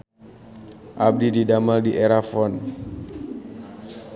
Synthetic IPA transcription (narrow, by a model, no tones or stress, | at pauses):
ʔab̚dididamaldiʔeɾafɔn